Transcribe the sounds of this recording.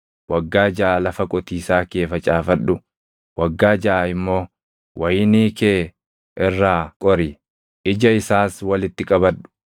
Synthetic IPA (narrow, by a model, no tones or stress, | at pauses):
wɐɡːaːd͡ʒɐʔalɐfɐkʼɔt̪iːsaːkeːfɐt͡ʃʼaːfɐᶑʊ | wɐɡːaːd͡ʒɐʔːɪmːo̞ː | wʔɐjɪniːkeː | ʔɪrːaːkʼɔɾi | ʔɪd͡ʒɐɪsaːswɐlɪt̪ːɪkʼɐbɐᶑʊ̥